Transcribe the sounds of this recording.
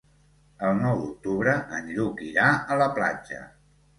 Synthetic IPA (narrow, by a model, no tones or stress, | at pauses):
əlˠnɔwd̪uk̚t̪uβɾəʔənʎukiɾaələpla̰d͡ʒə̰